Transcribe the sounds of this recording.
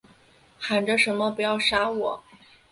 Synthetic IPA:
xa˨˩nʈ͡ʂə˦˧ʂə˧˥nmə˧pu˧˥jɑ˥˩ʊʂa˥wɔ˨˩˦

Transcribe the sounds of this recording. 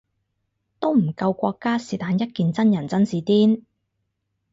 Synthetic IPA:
t̪o˥wm̩˨˩kɐ˧wkʷɔː˧kːaː˥siː˨˩t̪aː˨˧njɐ˥t̚kiː˧nt͡sɐ˥njɐ˨˩nt͡sɐ˥nsiː˨˧t̪iː˥n

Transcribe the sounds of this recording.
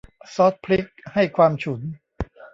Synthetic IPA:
sɔː˦˥t̪̚pʰli˦˥k̚ha˥˩jkʰwaː˧mt͡ɕʰu˩˦n

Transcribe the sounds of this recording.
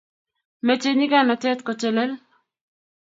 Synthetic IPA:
me˨t͡ʃeni˦ɡa˦na˨t͡ʃɛ˦t̪kɔ˨t͡ʃɛ˨lɛ˦l

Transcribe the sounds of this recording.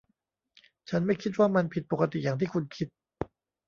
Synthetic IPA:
t͡ɕʰa˦˥nma˥˩jkʰi˦˥t̪̚waː˥˩ma˧npʰi˨˩t̪̚po˨˩ka˧t̪ḭ˨˩jaː˨˩ŋt̪ʰiː˥˩kʰu˧nkʰi˦˥t̪̚

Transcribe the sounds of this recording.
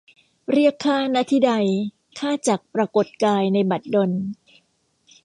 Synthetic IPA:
ɾi˥˩əkʰːaː˥˩na˦˥t̪ʰiː˥˩da˧j | kʰaː˥˩t͡ɕa˨˩k̚pɾa˧ko˨˩t̪̚kaː˧jna˧jba˨˩t̪̚do˧n

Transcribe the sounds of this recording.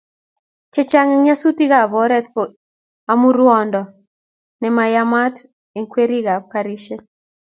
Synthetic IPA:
t͡ʃɛ˦t͡ʃa˦ŋɛ˦ŋa˦su˦ti˦ɡa˦˨bɔ˨˦ɾɛ˦t̪̚pɔ˨ | a˦mu˦ɾwɔ˦ndɔ˨ | nɛ˨ma˨jama˦t | e˨ŋkwe˦ɾi˦ɡa˨paɾi˦ʃe˦

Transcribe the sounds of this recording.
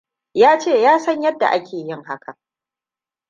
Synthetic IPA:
jaː˦t͡ʃeː˦˨jaː˦sɐ˦ɲjɐ˦dːa̰˨ʔa˦kʲʰeː˨jɪ˦ŋha˦ka˨

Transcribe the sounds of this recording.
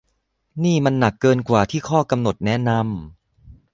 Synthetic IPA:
niː˥˩ma˧nːa˨˩kːɤː˧nkwaː˨˩t̪ʰiː˥˩kʰɔː˥˩ka˧mno˨˩t̪̚nɛ˦˥na˧m

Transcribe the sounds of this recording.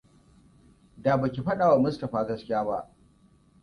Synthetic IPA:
daː˨bɐ˨kʲi˨ɸɐ˦ɗa˨wa˨mʊ˦stɐ˨ɸaː˦ɡɐ˦skʲɪ˦jaː˦ba̰˦ʔ

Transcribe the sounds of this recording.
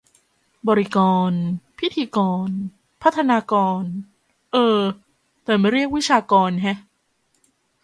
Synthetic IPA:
bɔ˧ɾi˦˥kɔː˧npʰi˦˥t̪ʰiː˧kɔː˧n | pʰa˦˥t̪ʰːa˧naː˧kɔː˧n | ʔɤː˧ | t̪ɛː˨˩ma˦˥˩jɾi˥˩ək̚wi˦˥t͡ɕʰaː˧kɔː˧nkʰɛ˦˥ʔ

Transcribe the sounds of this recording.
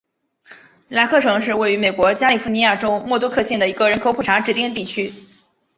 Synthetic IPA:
la˥ɪkʰɤ˥˩ʈ͡ʂʰɤ˧˥ŋʂɻ̩˥˧we˥˩ɪy˧˥me˨˩ɪkwɔ˧˥t͡ɕja˥li˨˩fu˧˥ni˧˥ja˥˩ʈ͡ʂo˥ʊmwɔ˥˩t̪ɔ˥kʰɤ˥˧ɕjɛ˥˩nd̪ə˩i˧˥ɡə˧ɻə˧˥nkʰo˨˥ʊpʰu˥˩ʈ͡ʂʰa˧˥ʈ͡ʂɻ̩˥˩t̪i˥˧nt̪̬i˥˩t͡ɕʰy˥

